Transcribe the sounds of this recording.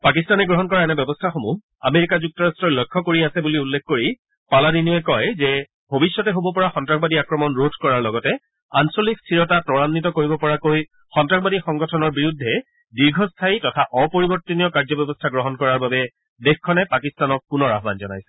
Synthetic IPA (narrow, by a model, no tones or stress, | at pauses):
pakistanɛɡɹɔɦɔnkɔɹaɛnɛbɔbɔstʰaxomu | a̰meɹikazuk̚tɔɹastɹɔlojkʰːɔkoɹiasɛbuliulːekʰkoɹi | paladiniɔɛkɔjzɛ | bʱobisːjɔtɛɦobɔpɔɹaxɔntɹakbadiakɹɔmɔnɹodʰʱkɔɹaɹlɔɡɔtɛ | ansolikstʰiɹɔtatɔɹanːitɔkoɹibɔpɔɹakoj | xɔntɹakbadixɔŋɡɔtʰɔnɔɹbiɹudʱːɛ | diɹɡʱɔstʰaitɔtʰaʔɔpoɹibɔɹtɔniɔkaɹzɔbjɔbɔstʰaɡɹɔɦɔnkɔɹaɹbabɛ | dexkʰːɔnɛpakistanɔk̚ːunɔɹa̰ɦba̰nzɔna̰jsɛ̥